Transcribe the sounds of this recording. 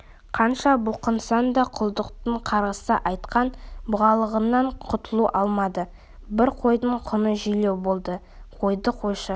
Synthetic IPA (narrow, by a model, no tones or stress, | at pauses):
qʰɑnʃɑbʊlˠqənsɑnd̪ɑqʰʊlˠd̪əqt̪əɴqʰɑɾʁəsəʔɑjt̪qɑnbʊʁɑlˠəʁənːɑɴqʰʊt̪əlˠuʔɑlˠmɑd̪ə | bɪɾqʰo̞jd̪əɴqʰʊnəʒʏjlewbo̞lˠd̪ə | qʰo̞jd̪əqʰo̞jʃə